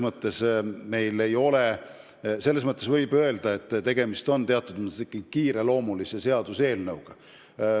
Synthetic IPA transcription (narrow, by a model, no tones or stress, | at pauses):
mɤt̪ːˑe̞sme̞jle̞jo̞le̞ | se̞lːe̞s̬mɤt̪ˑːesvɤjbø̞eld̪ɑe̞t̪ːˑt̪e̞ɡ̥e̞mist̪o̞nt̪e̞ɑt̪ːˑud̪mikːˑikiːɾe̞lo̞ːmulise̞se̞ɑd̪̥use̞ːlnɤwɡ̥ɑ